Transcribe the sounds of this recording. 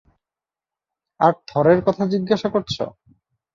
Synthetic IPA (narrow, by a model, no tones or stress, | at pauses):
aɾd̪ʱɔɾeɾkɔt̪ʰad͡ʑiɡːaʃakoɾt͡ɕʰo̰